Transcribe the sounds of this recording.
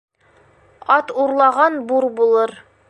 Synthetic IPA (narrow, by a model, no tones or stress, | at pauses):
ɑt̪uɾlˠɑʁɑnbuɾbulˠɤɾ